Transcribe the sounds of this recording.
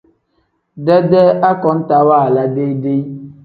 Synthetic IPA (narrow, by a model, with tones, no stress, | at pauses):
dɛ˦dɛ˦ʔa˦kɔ˨˦n̩˦ta˨wa˦˨la˦de˦i˦de˦i˦